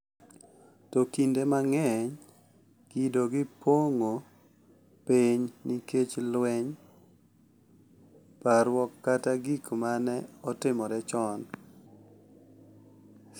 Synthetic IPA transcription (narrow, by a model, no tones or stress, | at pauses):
tɔkindemaŋɛɲ | kidoɡɪpʰoŋo | peɲniket͡ʃlwɛɲ | paɾwɔkːataɡikmanɛɔtɪmɔdɛt͡ʃɔn